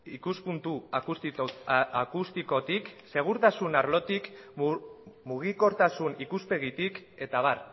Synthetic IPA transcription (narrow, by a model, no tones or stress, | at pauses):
ikuspunt̪uus | akust̪iko̞t̪ikse̞ɣ̞uɾt̪asunaɾlo̞t̪ik | muɣ̞iko̞ɾt̪asunikuspe̞ɣit̪ike̞t̪aβ̞ar